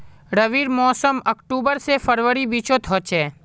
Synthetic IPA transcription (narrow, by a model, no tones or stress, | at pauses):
ɾəʋiːɾmɔːsəməkʈuːbəɾsefəɾʋəɾibiːt͡ʃõt̪ʰɔːt͡ʃʰeː